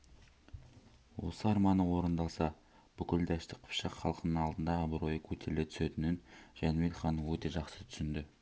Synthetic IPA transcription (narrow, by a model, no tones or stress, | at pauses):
wo̞̰səɑɾmɑnəwo̞ɾənd̪ɑlˠsɑ | b̥ʏkʲɪld̪æʃt̪ɪkqʰʊ̥pʃɑqχɑlˠəqənəɴɑlˠd̪ənd̪ɑːbɾo̞jəkʲʰɵt̪ʰe̞ɾɪle̞t̪ʰʏ̥se̞t̪ɪnɪnʒ̥ænmet̪χɑnəwɵt̪e̞ʒɑqsət̪ʰʏ̥sɪnd̪ɪ